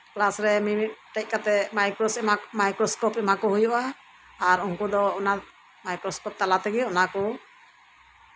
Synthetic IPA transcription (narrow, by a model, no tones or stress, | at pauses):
klasɾɛminit̪̚ʈɛc̚kat̪ɛmajkɾɔsɛmamajkɾɔskɔpɛmakɔɦujɔʔaː | ɾuŋkud̪ɔɔna | majkɾɔspɔp̚t̪alat̪ɛɡɛɔnakɔ